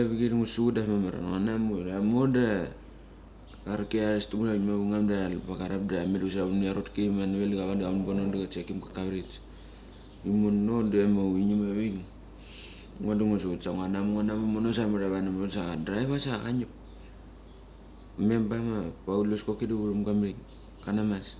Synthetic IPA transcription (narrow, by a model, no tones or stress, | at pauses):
aβiɡediŋosuutdamamaɾa̰oanamoamonda | aɾkeaɾestumunamaβiŋamdalβakaɾap̚damedusɾaβuniaɾotkiimanuβeliɡaβandamnbonondiɡat͡ʃekimkḁkaβɾit͡ʃ | imonːodemoiɲimaβiŋ | ŋodaŋos̬outsaŋoanamŋonamumonos̬amodaβanamosaadɾajβasakaɲip | me̞mpamapauloskokiduβuɾumɡamiŋ | kanamas